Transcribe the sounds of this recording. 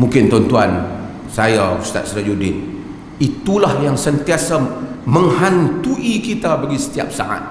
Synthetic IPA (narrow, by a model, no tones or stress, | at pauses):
mũŋkɪnt̪ɔnt̪uan | sajakust̪a̰t̪̚sɾad͡ʒudɪt̪̚ | it̪ulahjaŋsənt̪iasaməŋhant̪uʔikit̪abaɡisə̥t̪ia̰p̚sa̰ʔa̰t̪̚